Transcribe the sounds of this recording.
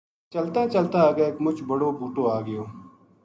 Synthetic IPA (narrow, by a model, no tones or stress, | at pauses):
t͡ʃəlt̪ãːt͡ʃəlt̪ãːɡeeːkmʊt͡ʃʰbəɽoːbʱuːʈoːaːɡɪjõː